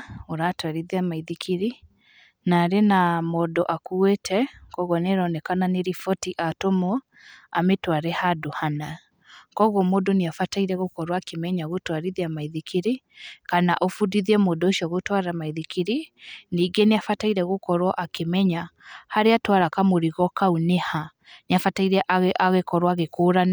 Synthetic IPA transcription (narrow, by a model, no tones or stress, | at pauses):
oɾatwaɾiðiamaiðikʰiɾi | naɾenamɔdɔʔakuetʰɛkɔɣɔneɾɔnɛkananeɾifɔtiʔatomɔ | ametwaɾɛhadohana | kɔɣɔmoːdoneafataiɾɛɣokɔɾwakemɛɲaɣotwaɾiðiamaiðikiɾikana̰ʔofudiðiɛmoːdooʃiɔɣotwaɾamaiðikiɾiniːɡeneafataiɾɛɣokɔɾwɔʔakemɛɲahaɾeatwaɾakamoɾiɣɔkauneha | neafataiɾɛʔaɣʔaɣekɔɾwaɣekoːɾana